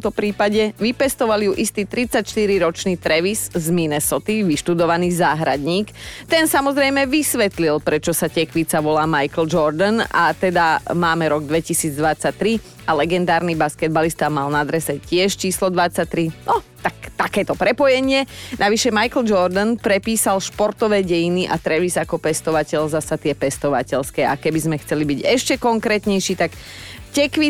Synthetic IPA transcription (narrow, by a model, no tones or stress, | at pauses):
ɔmt̪ɔpɾiːpaɟɛʋipɛst̪ɔʋalijuʔist̪iːt̪ɾit͡sacʃt̪iɾiɾɔt͡ʃniːt̪ɾɛʋiszminɛsɔt̪iʋiʃt̪ud̪ɔʋaniːzaːɦɾad̪ɲiːkt̪ɛnsamɔzɾɛjmɛʋisʋɛt̪lilpɾɛt͡ʃɔsacɛkʋit͡saʋɔlaːmajkl̩d͡ʒɔɾd̪ana̰t̪ɛd̪amaːmɛɾɔɡd̪ʋɛcisiːd͡zd̪ʋat͡sac̚t̪ɾi | alɛɡɛnd̪aːɾnibaskɛd̪̚balist̪aːmalnad̪ɾɛsɛcɪɛʃt͡ʃiːslɔd̪ʋat͡sːac̚t̪ːɾinɔt̪akt̪akɛːt̪ɔpɾɛpɔjɛɲɪɛnʔaʋiʃɛmajkl̩d͡ʒɔɾd̪anpɾɛpiːsalʃpɔɾt̪ɔʋɛːɟɛjiniʔat̪ɾɛʋizakɔpɛst̪ɔʋacɛlzasat̪ɪɛpɛst̪ɔʋa̰cɛʎskɛːakɛbizmɛxt͡sɛlibiɟɛʃcɛkɔŋkɾɛːt̪ɲɛjʃiːt̪ak | cɛkʋi